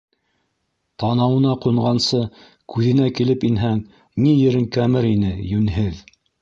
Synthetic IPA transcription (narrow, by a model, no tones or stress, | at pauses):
t̪ɑnɑwɤ̆nɑqŭɴʁɑnsɤ | kʉðɘ̆nækilɘpinɦæŋ | nijɘ̆ɾɘŋkæmɘɾinɘjʉnɦɘð